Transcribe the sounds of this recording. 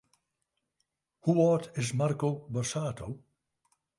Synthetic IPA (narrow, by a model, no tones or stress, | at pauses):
huɔːtʰɪs̬markobɔrsaːtʰo